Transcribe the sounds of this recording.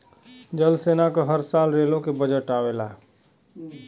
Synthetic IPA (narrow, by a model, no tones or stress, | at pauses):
d͡ʒəlsenakeɦəɾsalɾelõkebəd͡ʒəʈawela̰